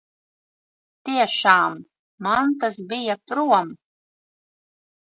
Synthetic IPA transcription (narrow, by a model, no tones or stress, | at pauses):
t̪iɛʃaːmː | ant̪asbijapɾuɔm